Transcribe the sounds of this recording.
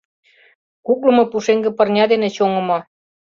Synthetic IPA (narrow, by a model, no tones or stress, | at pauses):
kuk̬̚lɤ̆mŏpuʃeŋɡĕpɤ̆rnʲɑd̪enet͡ɕoŋə̆mo